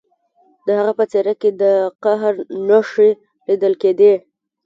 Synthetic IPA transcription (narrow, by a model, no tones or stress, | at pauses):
d̪əhaɣapət͡seɾaked̪əqaɦɾnaʂi | lid̪əlked̪e